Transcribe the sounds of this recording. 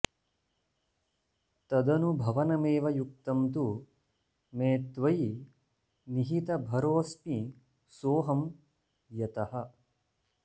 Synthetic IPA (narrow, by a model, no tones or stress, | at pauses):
t̪ɐd̪ɐnubʱɐʋɐnɐmeːʋɐjuk̚t̪ɐmt̪u | meːt̪ʋɐj | niɦit̪ɐbʱɐɾoːsmi | soːɦɐm | jɐt̪ɐhɐ̆